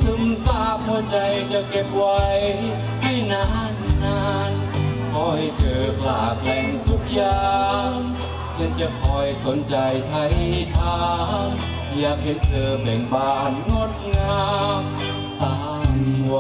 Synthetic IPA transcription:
sɯ˧msaː˧˩p̚hɔ˧˦t͡ɕa˧jt͡ɕa˧ke˧t̚wa˧j | ha˧˥˩jnaː˧˥nːaː˧˥nkʰɔː˧˥ha˨˧˩jt͡ɕɤː˨˩k̚la̰ː˨˧˩k̚lɛː˧ŋt̪ʰu˧˥k̚jaː˧ŋ | sa˧˥nt͡ɕa˧˩kʰɔː˧˩jso˨˦nt͡ɕa˨˧jt̪ʰa˧jt̪ʰaː˧ŋ | jaː˧˩k̚ɦe˧˦˥nt̪ʰɤː˨˩bɛː˨˩ŋbaː˧nːo˧˥t̪̚ŋaː˧m | t̪aː˧ | m˧

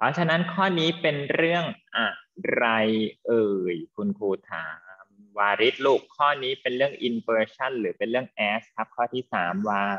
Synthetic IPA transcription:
pʰɔ˦˥t͡ɕʰa˧na˦˥nkʰɔː˥˩niː˦˥pe˧nɾɯ˥˩əŋʔaː˨˩t̚ɾa˧jʔɤː˧˩jkʰu˧nkʰuː˧t̪ʰaː˩˦mwaː˧ɾi˦˥t̪̚lu˦˥˩kʰːɔː˥˩niː˦˥pe˧nɾɯ˥˩əŋʔi˧npɤː˧t͡ɕʰa˥˩nlɯː˩˦pe˧nɾɯ˥˩əŋʔɛː˦˥skʰa˦˥p̚kʰɔː˥˩t̪ʰiː˥˩saː˩˦mwaː˧

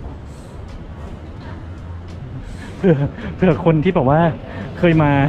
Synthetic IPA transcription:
pʰɯ˥˩ɐpʰɯ˥˩ɐkʰo˧nt̪ʰiː˥˩bɛː˨˩p̚waː˥˩ | kʰɤː˧jmaː˧

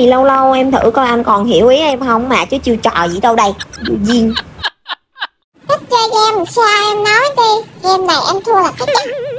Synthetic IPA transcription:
i˨˩lə˧wlə˧wʔɛ˧mt̪ʰɨ̰˧˩kɔ˧˩jʔa˧nkɔ˨˩nɦḭ˧˩əwʔi˨˦ʔɛ˧mɦə˧wŋ͡mmaː˨˩t͡ɕɨː˨˦t͡ɕi˧ət͡ɕɔ̰˧˨˩zḭ˧˩t̪ə˧wɗə˧jzṵ˧˩zi˧ən | t̪ə˦˥t̚ɣa˧ɣɛ˧m˨saː˧ʔɛ˧mnɔ˨˦jɗi˧ɣɛ˧mɗə˨˩ʔɛ˧mt̪ʰu˧əlaː˨˩k̪a˦˥k̚ɲə˦˥

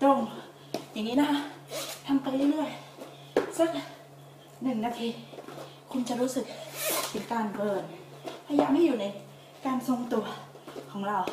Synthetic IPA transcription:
to˧˩ŋ | ja˨˩ŋːiː˦˥na˦˧kʰa˦˥ʔt̪ʰa˧mpa˧jle˥˩˨lɯ˥˩əj | sa˦˥˩k̚ | nɯ˨˩ŋnaː˧t̪ʰiː˧ | kʰu˧nt͡ɕa˨˩ɾuː˦˥sɯ˨˩k̚t̪ʰɯ˩˦ŋkaː˧nbɤː˧˩n | pʰa˧˩jaː˨˩k̚ha˥˩juː˨˩na˧j | kaː˧nso˧ŋt̪u˧ɐ | kʰɔː˩˦ŋɾa˧w

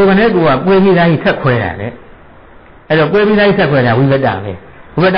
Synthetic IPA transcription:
o˨ɡã˨nɛ˦˨ko˨a˦˨kwe˦bi˦ða˦jḭ˦˨sʰɛ˦ʔkʰwɛ˦˨ɾa̰˨ɾɛ̰˦ | ʔɛ˦˨ɾɔ˨k̬we˦pi˦ða˦i˦˨sʰɛ˦kʰwɛ˨ɾa˨wi˨bɛ˦tːa̰˨lɛ̰˨ | wi˨bɛ˦tːa

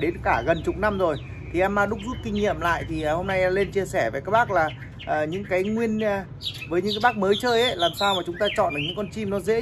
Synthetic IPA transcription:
ɗe˨˦nkaː˧˩ɣə˨˩nt͡ɕʊ˨˩k͡p̚na˧mzo˨˩j | t̪ʰi˨˩ʔɛ˧mːaː˨˧˩ɗʊ˦˥k͡p̚zu˦˥t̚kï˧ŋ̟ɲḭ˧˨əmla̰ː˧˨jt̪ʰiː˨˩˨ho˧mna˧jle˧nt͡ɕi˧əsɛ˧˩ve˨˩kaː˦˥k̚ɓaː˦˥k̚laː˨˩ | ʔəː˨˩ɲɨ̰˧˥ŋkaː˨˦jŋwi˧ənː˧ | vəː˨˦jɲɨ̰˧˥ŋkːaː˨˦ɓaː˦˥k̚məː˨˦jt͡ɕəː˧jʔə˨˦jlaː˨˩msaː˧wmaː˨˩t͡ɕʊ˨˦ŋ͡mt̪aː˧t͡ɕɔ̰˧˨nɗɨ˨˩kɲɨ̰˧˥ŋkɔ˧nt͡ɕi˧mnɔ˨˦zḛ˧˥

